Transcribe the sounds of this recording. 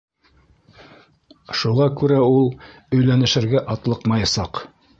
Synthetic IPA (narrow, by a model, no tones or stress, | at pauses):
ʃuʁɑkʉɾæulˠ | ɵ̆jlænɘ̆ʃɘ̆ɾɡæʔɑt̪lˠɤqmɑjɑsɑq